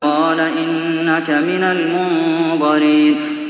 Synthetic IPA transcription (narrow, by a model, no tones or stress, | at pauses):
ɑːlaʔɪnːakamɪnalmʊnbɑɾiːn